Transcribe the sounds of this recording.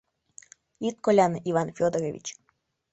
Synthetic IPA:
it̪kɔlʲaniʋanfʲɔd̪ɔɾʲeʋʲḭt͡ɕ

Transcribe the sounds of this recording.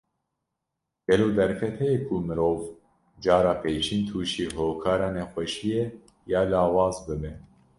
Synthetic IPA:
ɡ̥ɛloːd̪ɛɾkʰɛt̪hɛjekʰumɨɾoːv | d͡ʒɑːɾɑːpeːt͡ʃʰiːnt̪ʰuːʃiːɦoːkʰaːɾɑːnɛxʷɛʃijɛ | jɑːlaːwɑːzbɨbɛ

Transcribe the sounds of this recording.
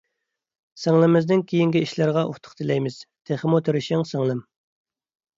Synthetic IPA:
sæŋlˠɪmɪznɪŋkʲʰijiŋɡʲiiʃlɪɾʁɑʔṵχt̪ʰʊ̥χt̪ʰɪlɛjmɪz̥t̪ʰeχɪmut̪ʰeɾɪʃɪŋsæŋlˠɨm

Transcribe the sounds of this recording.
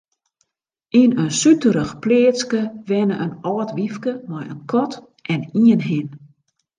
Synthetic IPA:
inənsytəɾəxpleːskəʋɛnəʔənɔːtʋifkəmɔjə̰nkʰɔt | ʔɛniənɦɪn

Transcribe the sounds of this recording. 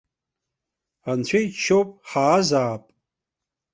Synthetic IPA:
ant͡ɕʷʰejt͡ʃʰːowpʼħaːzaːpʼ

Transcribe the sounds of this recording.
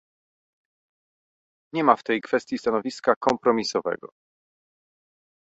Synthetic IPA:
ɲɛmaft̪ɛjkfɛst̪jist̪anɔvʲiskakɔmpɾɔmʲisɔvɛ̰ɡɔ̰

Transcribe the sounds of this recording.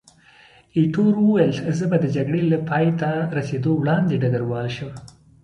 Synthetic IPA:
iʈoɾwəwajəlzəbad̪əd͡ʒaɡɽelapʰɑjt̪aɾased̪owɽɑnd̪eɖaɡaɾwɑlʃəm

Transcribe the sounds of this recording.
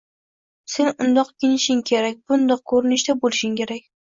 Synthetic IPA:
se̞nʊnd̪ɒqɡʲɪnɪʃɪŋkʲʰeɾakʲb̥ʊnd̪ɒq̚kʰɵɾɪnɪʃd̪abolˠɪʃɪŋkʲe̞ɾak̚ʲ

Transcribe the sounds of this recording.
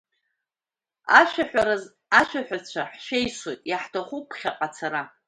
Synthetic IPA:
aʃaħʷaa | aʃʷᶣaħʷᶣat͡ɕʷʰaħʃejswo̞jtʼjaħtʰaχupʰχʲaqʼat͡sʰaɾa

